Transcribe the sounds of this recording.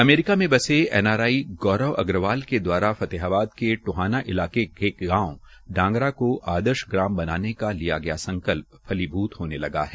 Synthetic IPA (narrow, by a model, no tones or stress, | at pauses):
ɐmeːɾɪkamẽbɐseɛ̰ːnaːɾaːiɡɔːɾəʋɐ̰ɡɾəʋaːlked̪waːɾafɐt̪eɦaːbaːd̪keʈʊɦaːnaʔɪlaːkekeːkɡãːõ | ɖãːŋɡɾakoʔaːd̪əɾʃɡɾãːmbɐnaːnekalijaɡɐjasɐ̃ŋkəlp̚ʰːɐlibʱuːt̪ɦoːnelɐɡa̰ɦɛ